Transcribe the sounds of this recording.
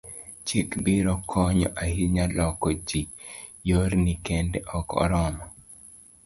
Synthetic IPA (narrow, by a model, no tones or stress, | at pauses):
t͡ʃikbiɾɔkʰɔɲɔ̰ʔahiɲalɔkɔd͡ʒi | joɾnikendɛʔɔkɔ̰ɾɔmɔ